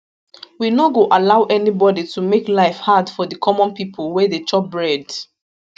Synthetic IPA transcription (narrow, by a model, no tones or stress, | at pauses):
winoɡoʔalaʊʔɛnibɔditʰumeklaɪfhadfɔðəkʰɔmɔ̃npipʰolˠwɛdet͡ʃɔp̚bɹɛd